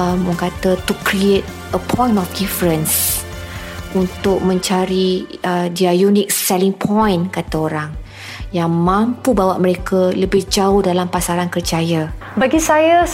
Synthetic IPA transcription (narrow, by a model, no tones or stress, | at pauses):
məŋkat̪ət̪ukɾiet̪̚ | əpʰɔ̃j̃nɔfdifɾəns | unt̪ʊk̚mə̃ɲt͡ʃaɾiədiajunɪk̚sɛlɪŋpʰɔjnkat̪aoɾaŋ | jaŋmãmpubawaʔməɾekʰaləbɪhd͡ʒaʊhdalampasaɾankərd͡ʒaja | baɡisaja